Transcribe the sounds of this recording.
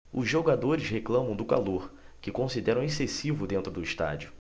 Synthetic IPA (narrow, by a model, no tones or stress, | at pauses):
ʊzʒoɡad̪oɾɪsheklɐ̃mɐ̃w̃d̪ʊka̰loɾ | kɪkõsid̪ɛɾɐ̃w̃esesivʊd̪ẽnt̪ɾʊd̪ʊiʃt̪a̰d͡ʒiʊ